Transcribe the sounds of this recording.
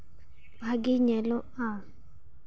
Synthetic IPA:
bʱaɡiɲɛloa

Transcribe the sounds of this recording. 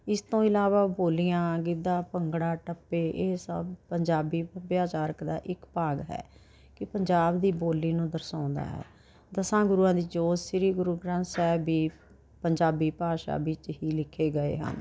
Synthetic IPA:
ɪst̪õːɪlaːʋaːboːlijãːɡɪd̪ãːpəŋɡɽaːʈəpːeːʔeːsə̰bpəɲd͡ʒaːbiːəbjaːt͡ʃaːɾəkd̪a̰ːʔɪkpaːɡɦɛ̰ː | kɪpəɲd͡ʒaːbd̪iːboːliːnũːd̪əɾsãːnd̪a̰ːɦɛ̰ː | d̪əsãːɡʊɾuːãːd̪iːd͡ʒoːd͡ʒsɪɾiːɡʊɾuːɡɾãːnsɛːbiː | pəɲd͡ʒaːbiːpaːʃa̰ːbɪt͡ʃɦiːlɪkʰːeːɡəḛːɦə̰n

